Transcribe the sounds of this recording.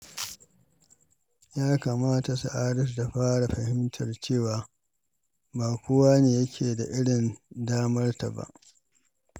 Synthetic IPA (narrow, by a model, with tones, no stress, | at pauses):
jaː˦kaː˨maː˦ta˨su˨ʔaː˦ɾɪ˦s̬da˨ɸaː˦ɽa˨ɸɐ˨hɪ˦mtʰɐ˨rt͡ʃeː˦˨waː˨ | baː˨kʷʊ˦waː˦neː˨jɐ˦kʲʰeː˨da˨ʔɪ˦ɽɪ˨ndaː˦mɐ˦rta̰˨ba̰˦˨ʔ